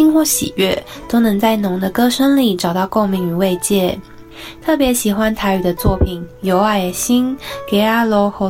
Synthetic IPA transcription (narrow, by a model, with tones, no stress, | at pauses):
i˥ŋxwɔ˥˩ɕḭ˨˩ɥɛ˥˩t̪o˥ʊnɤ˧˥ŋt͡sa˥˩ɪnʊ˧˥ŋd̪ə˧kɤ˥ʂə˥ŋli˨˩ʈ͡ʂɑ˨˩ʊt̪ɑ˥˧ʊko˥˧ʊmi˧˥ŋy˨˩we˥˧ɪt͡ɕjɛ˥˩ | t̪ʰɤ˥˩pjɛ˧˥ɕi˨˩xwa˥nt̪ʰa˧˥y˨˩d̪ə˦t͡swɔ˥˩pʰi˨˩˦njo˧˥ʊa˧˩ɪɕi˥nke˧˥ɪa˧˥lɔ˧˥xɤ˧˥